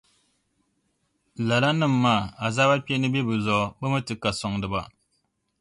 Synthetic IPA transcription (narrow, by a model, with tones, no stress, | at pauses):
la˨la˦nɨ˦˨m̩ː˦aː˦˨a˨zaː˦ba˦pɛ˦nɨ˦bɛ˦bɨ˨zɔ˨˦˨bɨ˦mɨ˦tɨ˨ka˨sɔ˨ŋdɨ˨ba̰˨